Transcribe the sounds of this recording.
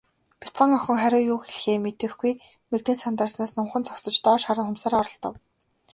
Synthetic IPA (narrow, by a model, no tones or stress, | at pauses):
pʲi̥t͡sə̆ŋœxʲɪ̆ŋχæɾʲʊːjuːxeɮxeːmet̪ɘ̆xɡuj | mekt̪eːsant̪aːsnaːsnʊɴχə̆nt͡sʰɔksɞ̆t͡ɕt̪ɔːʃaɾə̆ŋxʊmsaːɾɔɾɞ̆ɬt̪ɞ̆w